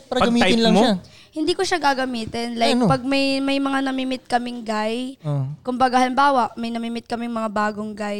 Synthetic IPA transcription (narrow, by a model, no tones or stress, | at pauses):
pɾpɐɡɐmiːaj̪lɐŋmoa | hɪnd̪iːkoʃaɡaɡɐmiːt̪ɪnlajkpɐɡ̚mɐjmɐjmɐŋanɐmimɪt̪̚kɐmɪŋɡajokʊmbɐɡahɐlɪmbaːwɐʔmɐjnɐmiːmɪt̪̚kɐmɪŋmɐŋabaːɡoŋɡaj